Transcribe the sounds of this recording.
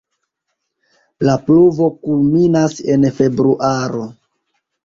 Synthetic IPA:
lapluvo̞kulminase̞nfe̞bɾuʔaɾo̞

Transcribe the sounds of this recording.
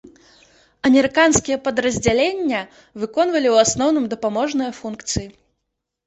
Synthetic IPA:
ɐmʲɛɾɨkanskʲijɛpɐd̪ɾɐzʲd͡zʲalʲenʲːɐ | vɨkɔnvɐlʲiwasnɔwn̪ɨmd̪ɐpamɔʐnɨjɐfunkt̪sɨji

